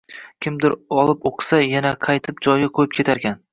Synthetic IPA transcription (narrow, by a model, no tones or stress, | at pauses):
kʲʰɪmd̪ɪɾɒlˠɪpoqsajanaqʰɑjt̪ʰɪp̚d͡ʒɒjaqʰojɪp̚kʲʰe̞t̪ʰaɾkʲan